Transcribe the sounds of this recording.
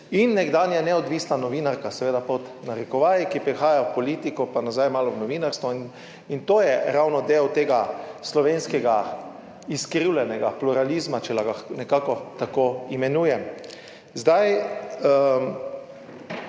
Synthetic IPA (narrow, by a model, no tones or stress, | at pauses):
inːɛɡd̪aːnjanɛɔd̪ʋiːsnanɔʋiːnaɾkasɛʋeːd̪apot̪naɾɛkɔʋaːjikipɾixaːjawpɔliːt̪ikɔpanazajmaːlɔwnɔʋiːnaɾst̪ʋɔin | int̪oːjɛɾawnɔd̪eːwt̪eːɡaslɔʋeːnskɛɡa | iskɾiwlɛnɛɡapluɾalizmat͡ʃɛlaɡanɛkaːkɔt̪akoːimɛnuːjɛm | zd̪aj